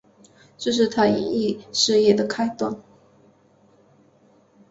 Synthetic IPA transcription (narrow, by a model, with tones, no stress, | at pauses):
ʈ͡ʂɤ˥˧ʂ̬ɻ̩˥˧t̪ʰa˥ḭ˧i˥˩ʂɻ̩˥˧jɛ˥˩d̪ə˩kʰa˥ɪt̪wa˥˩n